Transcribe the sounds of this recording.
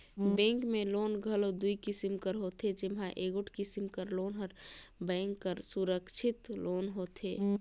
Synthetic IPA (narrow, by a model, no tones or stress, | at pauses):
bɛ̃ŋkmẽloːnɡʱəlod̪uikisimkəɾɦot̪ed͡ʒɪmɦãʔeːɡʊʈʰkisimkəɾloːnɦəɾbɛŋkːəɾsuɾəkt͡ʃʰɪt̪loːnɦoːt̪ʰe